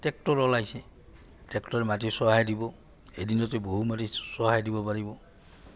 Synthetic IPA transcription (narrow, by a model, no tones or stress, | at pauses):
tɛk̚tɔɹɔlajsɛ | tɛktɔɹɛmatisɔɦajdibɔ | edinɔteboɦumatisɔɦajdibɔpaɹibɔ